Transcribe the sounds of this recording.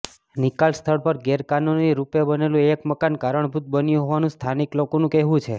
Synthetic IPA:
nikalst̪ʰəɽpəɾɡeɾkanoniɾupebənelũekməkankaɾəɳbʱut̪̚bənjũɦoʋanũst̪ʰaniklokonũkɛɦʋũt͡ʃʰe

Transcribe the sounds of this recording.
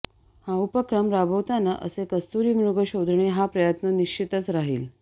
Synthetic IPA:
haupəkɾəmɾabʱəwt̪anaʔə̰sekəst̪uɾiːmɾuɡəɕod̪ʱɳeɦapɾəjət̪nəniɕt͡ɕʰit̪ət͡sɾaɦḭːl

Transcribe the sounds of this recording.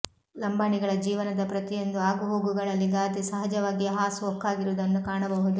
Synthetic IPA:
lɐmbaːniɡɐɭɐd͡ʒiːʋɐnɐd̪ɐpɾɐt̪ijo̞nd̪uaːɡuɦo̞ːɡuɡɐɭɐlːiɡaːt̪isɐɦɐd͡ʒɐʋaːɡiɦaːsuɔkːaːɡiɾuʋd̪ɐnːukaːɳɐbɐɦud̪u

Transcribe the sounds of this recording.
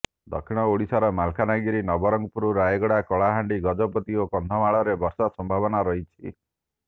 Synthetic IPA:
d̪ɔ̰kʰiɽ̃ɔoɽisaɾɔmalkʰanaɡiɾinɔbɔɾɔŋɡɔpuɾuɾajeɡɔɽakɔɭaɦaɳɖiɡɔd͡ʒɔpɔt̪iokɔnd̪ʱɔmaɭɔɾebɔɾsɔsɔmbʱabɔnaɾɔɦit͡ʃʰi

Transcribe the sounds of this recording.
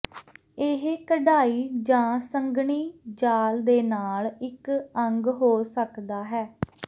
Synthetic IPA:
ɪɦkəɖaːiːd͡ʒãːsəŋɡɳiːd͡ʒaːld̪eːnaːlɪkəŋɡɦoːsəkd̪aːɦɛː

